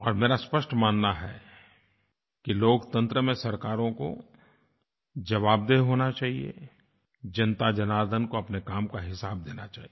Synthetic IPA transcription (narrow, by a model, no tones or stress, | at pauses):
ɔːɾmeːɾaspɐʃʈʰmaːnːaɦɛ̰ | kiloːkt̪ə̃nt̪ɾəmẽsɐɾkaːɾõko̰ | d͡ʒɐʋaːb̚d̪eɦoːnat͡ʃaːɦiḛ | d͡ʒɐnt̪ad͡ʒɐnaːd̪ənkoɐpnekaːmkaɦɪsaːb̚d̪eːnat͡ʃaːɦi